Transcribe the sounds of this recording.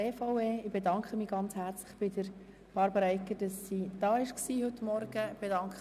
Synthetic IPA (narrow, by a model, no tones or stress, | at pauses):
eːfɑʊeːɪb̥edɑŋkχəmiːɡ̥ɑnt͡shæɾt͡slɪχb̥ɪdəɾ | b̥ɑɾbəɾɛɪkːəd̥ɑsːiːd̪̥ɑːɪʃksiːhɵt̪mɔɾɡ̥əb̥edɑŋk